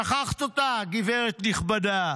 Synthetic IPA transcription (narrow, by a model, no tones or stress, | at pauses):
aχaχt̪ot̪aɡiveʁet̪niχbada